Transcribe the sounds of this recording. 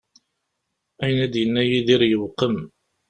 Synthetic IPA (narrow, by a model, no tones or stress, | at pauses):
æjnæd̪jənːæjiðiɾjəwqəm